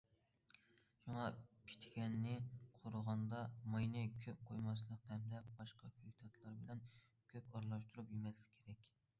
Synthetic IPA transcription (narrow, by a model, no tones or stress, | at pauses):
ʃuŋɑpʰi̥t̪ʰɡʲɛnːɪqʰoɾəʁɑnd̪ɑmɑjnɨkʲʰøp̚qʰojmɑs̬lˠəq̚t̪ʰɛmd̪ɛpbɑʃqɑkʲʰøjkʲt̪ʰɑt̪ʰlˠɑɾbɪlɛn | kʲʰøpɑɾlˠɑʃt̪uɾupjemɛskʲʰeɾɛkʲ